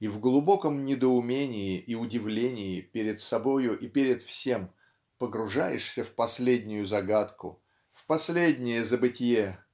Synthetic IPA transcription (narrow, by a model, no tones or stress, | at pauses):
ivɡlˠʊbo̞kəmnʲɪd̪əʊmʲenʲɪjɪʔiʊdʲɪvlʲenʲɪjɪpʲeɾʲɪt̪sɐbo̞jʊʔipʲeɾʲɪt̪fsʲem | pəɡɾʊʐajɪʂsʲəfpɐsʲlʲedʲnʲʊjʊzɐɡat̪kʊ̰ | fpɐsʲlʲedʲnʲɪjəzəbɨtʲɪje